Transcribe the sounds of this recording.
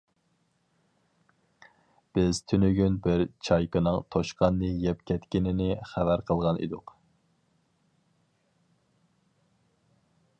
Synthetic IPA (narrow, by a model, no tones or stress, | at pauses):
b̥ɪz̥t̪ʰynyɡʲynbɪɾt͡ʃʰɑjkənɨŋt̪ʰoʃqʰɑnːɨjɛpkʲʰɛt̪kʲinɪnɪχævæɾqʰəlˠʁɑnḭd̪ʊq